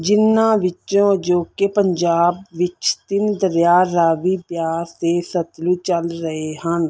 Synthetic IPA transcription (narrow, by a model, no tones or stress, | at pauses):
d͡ʒɪnːãːʋɪt͡ʃõːd͡ʒoːkepəɲd͡ʒaːbʋɪt͡ʃt̪ɪnd̪əɾjaːɾaːʋiːpjaːst̪eːsət̪luːt͡ʃəlɾəɦeːɦən